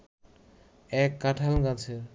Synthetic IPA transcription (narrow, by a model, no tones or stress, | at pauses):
ɛkːaʈʰalɡat͡ɕʰeɾ